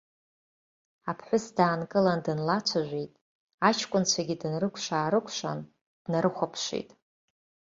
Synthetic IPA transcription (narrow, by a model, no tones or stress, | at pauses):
apʰħʷʊsdaːnkʼɨlandɨnlat͡ʃʷʰaʒᶣʷejtʼ | at͡ʃʰkʷʼʊnt͡ɕʷʰaɡʲidɨnrɨkʷʰʂaːɾɨkʷʰʂa̰n | d̥naɾɨχʷapʰʂḭjtʼ